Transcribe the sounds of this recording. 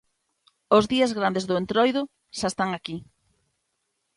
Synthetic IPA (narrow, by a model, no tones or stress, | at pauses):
ozðiazɣɾand̪ezðʊent̪ɾojðʊ | ʃaest̪aŋaki